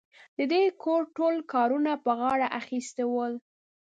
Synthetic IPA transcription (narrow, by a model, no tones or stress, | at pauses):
d̪̥əd̪ekʰoɾʈolkɑɾunapəɣɑɽaʔaxist̪ewəl